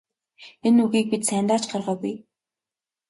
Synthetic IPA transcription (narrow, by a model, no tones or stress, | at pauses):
enuɣiːk̚pit̪sæːnt̪aːt͡ɕɢarʁœːpij